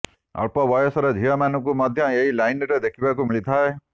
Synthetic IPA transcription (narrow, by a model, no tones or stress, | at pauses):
ɔ̰ɭpɔbɔjɔsɔɾɔd͡ʒʱijɔmanɔkumɔd̪ʱjɔeɦilajnɾɔd̪ekʰibakumiɭit̪ʰae